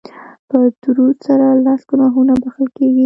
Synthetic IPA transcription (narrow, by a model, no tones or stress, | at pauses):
pəd̪uɾud̪saɾalasɡ̥ʊnɑɦunabaxəlkeɡi